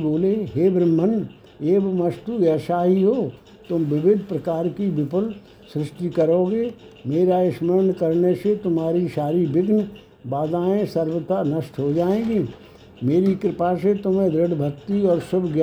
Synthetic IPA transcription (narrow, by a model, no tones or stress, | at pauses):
boːleɦeːbɾəmːən | eːbməst̪ujəʃaːɦiɦoː | t̪ʊmʋɪʋɪd̪ʱpɾəkaːɾkiʋɪpʊl | sɾɪʃʈikəɾoːɡeː | meːɾaɪʃməɾnkəɾneset̪ʊmɦaːɾiʃaːɾibɪɡn | baːd̪aːẽsəɾʋət̪anəʃʈɦod͡ʒaːẽːɡiː | meːɾikɾɪpaset̪ʊmẽd̪ɾɪɽbʱəkt̪iɔːɾsʊbʱɡj